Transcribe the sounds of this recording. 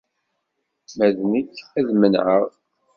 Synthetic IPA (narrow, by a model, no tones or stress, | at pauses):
mæðnikːæðmənʕəʁ